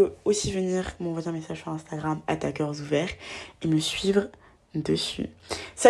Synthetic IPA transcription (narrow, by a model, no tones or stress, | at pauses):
øosivəniʁkmɑ̃vwajɛ̃mesaʒsyʁɛ̃st̪aɡʁamat̪akʲœʁzuvɛʁeməsɥivʁ | d̪əsy̰sɛ